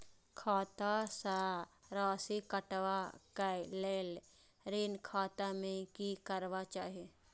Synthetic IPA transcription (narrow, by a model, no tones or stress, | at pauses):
kʰaːt̪asaɾaːsikəʈʋakaleːl | ɾiːnkʰaːt̪amẽkikəɾʋat͡ʃaːɦe